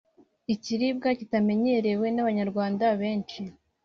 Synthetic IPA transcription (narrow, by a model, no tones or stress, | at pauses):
iciɾib̚ɡacitame̞ɲe̞ɾe̞we̞naβaɲaɾɡwaːndaβe̞ːnt͡ʃi